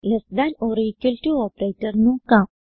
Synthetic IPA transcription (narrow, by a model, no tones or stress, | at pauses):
lesd̪anoːɾikəlʈuɔːpɾeːʈəɾnũka